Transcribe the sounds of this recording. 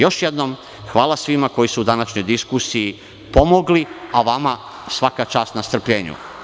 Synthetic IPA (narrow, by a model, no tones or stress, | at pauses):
jo̞ʃjed̪no̞m | xʋaːlasʋimako̞jisuud̪anaʃɲo̞jd̪iskusii | po̞moɡliaʋama | sʋakat͡ʃaːst̪nast̪r̩pʎeːɲṵ